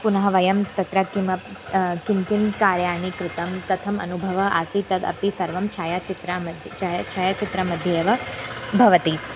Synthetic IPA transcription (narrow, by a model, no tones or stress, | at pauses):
punɐɦɐʋɐjɐmt̪ɐt̪ɾɐkiʋɐkimkimkaːɾjaːɳ̃ikɾɪt̪ɐmt̪ɐt̪ʰɐmɐ̰nubʱɐʋɐʔa̰ːsit̪ɐd̪ɐ̰pisɐɾʋɐmt͡ʃʰaːjat͡ʃit̪ɾamɐd̪ʱt͡ʃat͡ʃʰaːjat͡ʃit̪ɾɐmɐd̪ʱjeːʋɐbʱɐʋɐt̪i